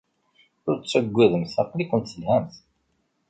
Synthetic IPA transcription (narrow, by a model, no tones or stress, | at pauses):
ʊɾt͡sːəɡʷːæðəmθɑqlikʷənt̪θəlhæmθ